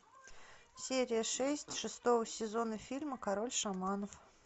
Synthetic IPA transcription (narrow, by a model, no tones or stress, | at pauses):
sʲeɾʲɪjəʂɛsʲtʲʂɨst̪o̞vəsʲɪzo̞nəfʲilʲməkɐɾo̞lʲʂamɑnəf